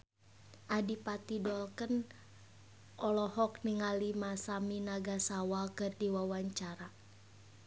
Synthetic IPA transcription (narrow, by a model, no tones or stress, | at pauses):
ʔadipat̪idɔlkən | ʔɔlɔhɔkniŋalimasaminaɡasawakɨrdiwawaɲt͡ʃaɾa